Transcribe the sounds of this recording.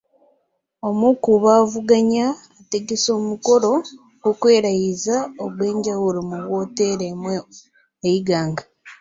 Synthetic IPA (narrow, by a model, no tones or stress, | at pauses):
o̞mukuβaːvuɡaɲaː | te̞ɡeso̞ːmuko̞ɾo̞ | ɡukwe̞ːɾajizaoβwe̞ːɲɟawulomuβwo̞teɾemwe | ejiɡaːŋɡa